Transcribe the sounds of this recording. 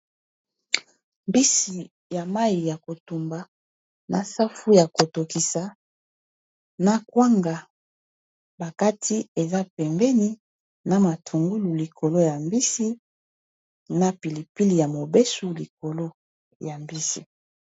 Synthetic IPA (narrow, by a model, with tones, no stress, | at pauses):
mbi˦si˨ | ja˨ma˦i˨ja˨ko˨tu˨mba˨ | na˨sa˦fu˦ja˨ko˨to˨ki˨sa˨ | na˨kwa˦ŋɡa˨ | ba˨ka˦tʰi˦e˨za˦pɛ˨mbɛ˦ni˦ | na˨ma˨tʰu˨ŋɡu˦lu˨li˨kʰo˨lo˦ja˨mbi˦si˦ | na˦pi˨li˨pi˦li˨ja˨mo˨bɛ˦su˦li˨ko˨lo˦ | ja˨mbi˦sḭ˨